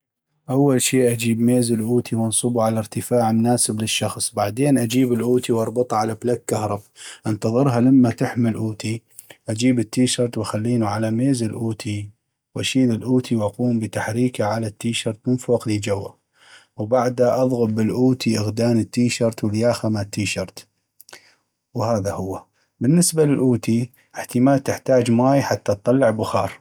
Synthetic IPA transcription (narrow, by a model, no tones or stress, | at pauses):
ʔawːalʃiːʔad͡ʒiːbmeːzɪlʔuːt̪ʰiwɪnsˤɨbuʕalaɾt̪ɪfaːʕmʊnaːsɪblɪʃːɑxsˤbaʕd̪eːnʔad͡ʒiːbɪlʔuːt̪iwʔɑɾˤbɨt̪ˤʕalablakːahɾˤɑbaʔant̪ɑðˤɨɾɦalamːat̪ɪħmɪlʔuːt̪i | ʔad͡ʒiːbɪt̪ːiːʃɑɾˤt̪waxalːiːnuʕalameːzɪlʔuːt̪ʰi | wʔaʃiːlɪlʔuːt̪ʰiwʔaquːmbət̪aħɾiːkaʕalat̪ːiːʃɑɾˤt̪mɪnfoːqlid͡ʒawːa̰ | wbaʕd̪aʔɑðˤɣʊbːɪlʔuːt̪ʰiʔɪɣd̪aːnət̪ːiːʃɑɾˤt̪wɪljaːxamat̪ːiːʃɑɾˤt̪ | whaːðahʊwːa | bɪnːɪsbalɪlʔuːt̪i | ʔɪħt̪əmaːlt̪ɪħt̪aːd͡ʒmaːjħat̪ːatt̪ˤːɑlːɪʕbʊxɑːɾˤ